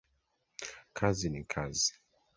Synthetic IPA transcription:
kʰazinikʰazi

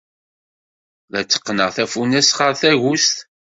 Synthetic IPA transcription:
ðæt͡sːə̥qːnəʁθæfunæsχəɾθæʝust̪

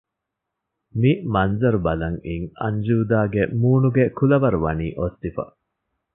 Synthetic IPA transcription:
mimɐnzɐɾubɐlɐŋiŋɐ̰nd͡ʒuːd̪aːɡemuːnuɡekulɐʋɐɾuʋɐniːʔot̪ːifɐ̰

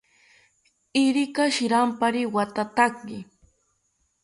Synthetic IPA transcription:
ɪɾɪkaʃɪɾampaɾɪwat̪at̪akɢɪ

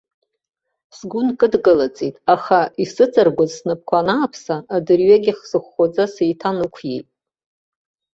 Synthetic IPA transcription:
sɡʷʊnkʼɨdɡɨlat͡sʼitʼaχaisɨt͡sʼarɡʷazsnɨp̚ʰkʷʰanaːpʰsaːdɨrɥaɡʲiχz̥ɨχʷːod͡zasejtʰanɨkʷʰjḛjtʼ

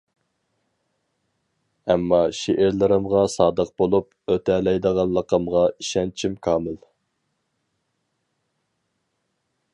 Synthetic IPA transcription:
ɛmːɑʃeʔɪɾlɨɾɨmʁɑsɑːd̪əq̚bolˠup | øt̪ʰɛlɛjd̪əʁɑlˠːəqʰəmʁɑiʃɛnt͡ʃʰimkʰɑːmɪl

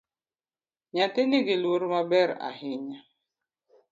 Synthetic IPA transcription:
ɲatɪnɪɡɪloɾmabɛɾa̰hɪɲa

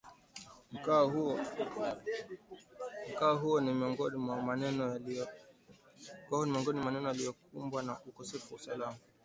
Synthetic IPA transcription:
m̩kahu | m̩kaːɦuɔnimiɔŋɡɔnimwamanɛnɔa | kwahunimiɔŋɡɔnimaanɛnɔjalijɔkumbwanaʔukɔsɛfuausalama

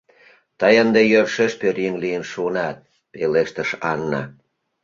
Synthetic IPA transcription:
t̪ɑjənd̪ejørʃeʃpøɾiŋlijənʃunɑt̪̚ | peleʃt̪ə̆ʃɑnːɑ̰

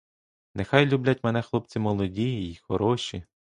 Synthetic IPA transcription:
nexɑjlʲublʲat̚ʲmɛnɛxlˠɔp̚t͡sʲimɔlˠɔdʲijiːixɔɾɔʃʲi

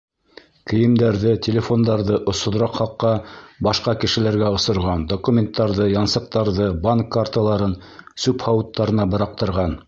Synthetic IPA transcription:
kɘ̆jɘ̆md̪æɾðɘtʲʰelʲefo̞nd̪ɑɾðɤʔŏsŏðɾɑqχɑqːɑbɑʃqɑkɘ̆ʃɘ̆læɾɡæŏsɤ̆ɾʁɑnd̪okumʲent̪ːɑɾðɤjɑnsɤ̆q̚t̪ɑɾðɤbaŋkːaɾt̪alˠɑɾɤn | sʉphɑwɤt̪ːɑɾɤ̆nɑbɤ̆ɾɑq̚t̪ɤ̆ɾʁɑn

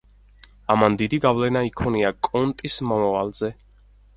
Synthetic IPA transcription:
amand̪id̪iɡavlɛnaikʰɔniakʼɔnt̪ʼismɔmavalzɛ

